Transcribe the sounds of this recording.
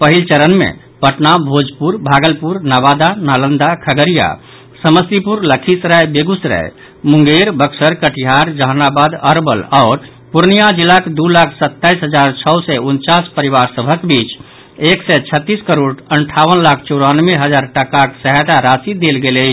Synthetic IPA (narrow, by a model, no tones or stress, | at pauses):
pəɦilt͡ʃəɾənmḛ̃ | pəʈnabʱod͡ʒpuɾbʱaɡəlpuɾnabad̪analənd̪akʰəɡəɾija̰ | səməsipuɾləkʰisɾɛebeɡusɾɛ̰e | mũŋɡeɾbəksəɾkəʈʰiɦaɾd͡ʒəɦənabad̪əɾbəlɔːɾ | puɾnijad͡ʒilːaked̪ulakʰsət̪ːaisɦəd͡ʒaɾt͡ʃʰɔʊsɛunt͡ʃaspəɾiʋaɾsəbʱəkbit͡ʃ | eksɛt͡ʃʰət̪ːiskəɾoɽəɳʈʰaʋənlakʰt͡ʃɔɾanʋeɦəd͡ʒaɾʈəkaksəɦət̪aɾasid̪elɡelət͡ʃʰ